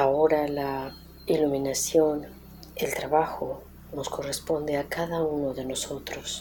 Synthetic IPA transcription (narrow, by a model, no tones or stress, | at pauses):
aoɾala | iluminasjo̞n | elt̪ɾaβaxo | no̞sko̞respo̞nd̪eakaðaunoðe̞no̞so̞t̪ɾos